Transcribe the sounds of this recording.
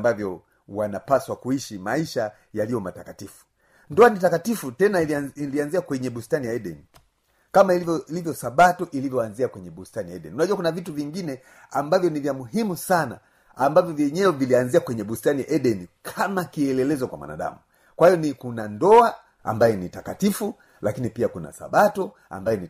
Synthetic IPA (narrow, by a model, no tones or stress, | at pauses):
mbavjɔ | wanapaswakuiʃimaiʃa | jalijɔmatakatifu̥ | ndɔanitakatifutɛnailianziakwɛɲɛɓustanijaɛɗɛ̰ni | kamaiilivjɔsaɓatuʔilivjɔanziakwɛɲɛɓustanijaɛɗɛ̰niunaʄuwakunavituviŋɡinɛ | ambavjɔnivjamuɦimusana̰ | ambavjɔvjɛɲɛwɛvilianziakwɛɲɛɓustanija̰ʔɛɗɛnikʰamakiɛlɛlɛzɔkwa̰mwa̰na̰ɗa̰mu | kwahijɔnikunandɔa | a̰mbajɛnitakatifu | lakinipiakuna̰sa̰ɓatɔ | a̰mbajɔni